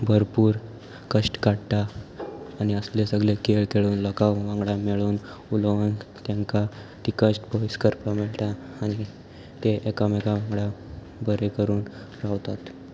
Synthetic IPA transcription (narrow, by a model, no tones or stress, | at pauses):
bʱəɾpuːɾ | kəʂʈkaɽʈ̪aː | ñiəslesəɡlekeɭkeɭuːnləkaʋʋãŋɡɭameɭuːn | ulʋənt̪jaŋkat̪ikəʂʈbɔiskəɾpameɭʈ̪aː | ñi | t̪eʔekamekaʋãŋɡɽa | bəɾekəɾuːn | ɾaʋt̪at̪